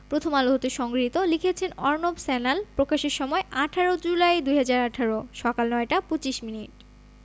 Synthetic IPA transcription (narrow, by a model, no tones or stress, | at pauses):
pɾot̪ʰomaloɦot̪eʃɔŋɡɾit̪olikʰet͡ɕʰenɔɾnobsɛnalpɾokaʃeɾʃɔmɔeʔaʈʰaɾod͡ʑulajd̪ujɦad͡ʑaɾaʈʰaɾoʃɔkalnɔeʈapot͡ɕiʃminiʈ̚